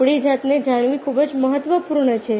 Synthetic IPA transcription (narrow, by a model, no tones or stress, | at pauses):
ɽid͡ʒat̪ned͡ʒaɽ̃ʋĩkʰubəd͡ʒməɦət̪ʋəpuɾɳət͡ʃʰe